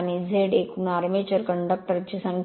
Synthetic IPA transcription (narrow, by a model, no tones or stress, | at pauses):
nizʱeːɖeːkunaːɾɐmeːt͡ʃɐɾkɐɳɖɐk̚ʈɐɾt͡ʃːisɐŋ